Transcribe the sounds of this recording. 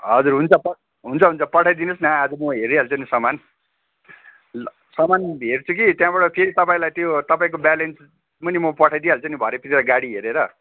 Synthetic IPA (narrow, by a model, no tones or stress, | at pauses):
ɦʌd͡zurɦunt͡sʰʌpʌ | ɦunt͡sʰʌɦunt͡sʰʌpʌʈʰajd̪inʌsnaːd͡zʌmʌɦeɾialt͡sʌnisʌman | sʌmanɦert͡sʰukit̪jãbʌɽʌpʰeɾit̪ʌpaĩlajt̪jot̪ʌpaĩk̬obalens | mʌnimʌpʌʈʰajd̪ialt͡sʌnibʱʌɾepit̪iɾaɡaɽiɦeɾeɾʌ